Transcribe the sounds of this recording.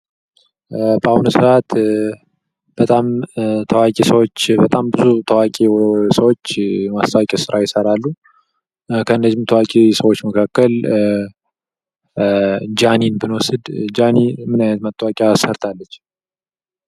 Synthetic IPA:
bəahunusɨʔat̪ | b̥ət̪ʼamt̪ʰəwakʼesəwot͡ʃːbət̪ʼambɨzut̪ʰəwakʼesəwot͡ʃːmast̪ʰəwakʼɛsɨɾʔajɪsəɾalːu | kʰəɨnːəzːɪmt̪ʰəwakʼesəwo̞t͡ʃːməkʰakːəl | d͡ʒaninbɨnwɔsɨd̪d͡ʒanimɨnajnət̪mət̪ʼːəwakʼjasəɾt̪ʰalːət͡ʃː

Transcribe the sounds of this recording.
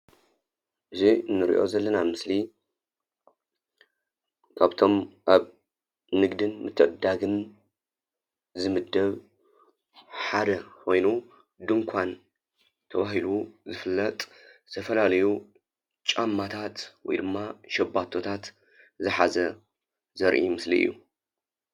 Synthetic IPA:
ʔɨziɨnːɨɾḭʔo̞̰zɐlːɐnamɨsli | kʰaβt̪ʰo̞mʔaβ | nɨɡd̪ɨnmɨt̪ʰːɨʕɨd̪ːaɡɨn | zɨmɨd̪ːɐβ | ħad̪ɐko̞jnu | d̪ɨŋkʷʰan | t̪ʰɐβaɦiluzɨfɨlːɐt̪ʼ | ɨt̪ʰɐfɐlalɐju | t͡ʃʼamːat̪ʰat̪wɔ̰jd̪ɨmːaʃɐbːat̪ʰo̞t̪ʰat̪ | zɨħazɐ | zɐɾʔḭmɨslḭɨ̰jːṵ

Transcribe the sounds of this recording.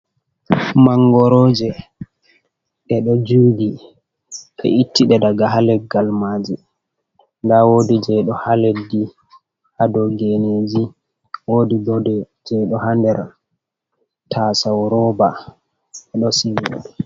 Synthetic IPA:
maŋɡɔɾɔːd͡ʒɛ | ʔɛɗɔd͡ʒuːɡi | ʔɛ̰ʔitːiɗɛdaɡaɦalɛɡalmad͡ʒɛ | ŋɡawoːdid͡ʒɛɗɔhaledi | ʔadɔɡened͡ʒi | woːdibɔdɛ | d͡ʒɛɗɔhandɛɾ | tʰasawɾɔba | ɛɗɔsiwo̰dɛ

